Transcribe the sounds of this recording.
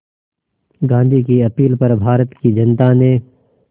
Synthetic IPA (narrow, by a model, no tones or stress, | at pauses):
ɡãːnd̪ʱikiɐpiːlpɐɾbʱaːɾət̪kid͡ʒɐnt̪anẽ